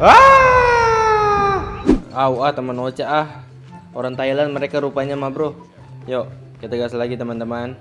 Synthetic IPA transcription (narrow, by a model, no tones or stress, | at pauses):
a | auaht̪əmanot͡ʃaʔah | oɾaŋt̪ailanməɾekaɾupaɲamabɾʊh | joʔ | kat̪əɡaslaɡit̪əmant̪əman